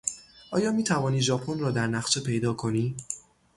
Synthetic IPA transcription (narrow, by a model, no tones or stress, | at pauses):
ʔɒːjɒːmiːt̪ʰævɒːniːʒɒːpʰonrɒːd̪æɾnæχt͡ʃe̞pʰe̞jd̪ɒːkʰo̞niː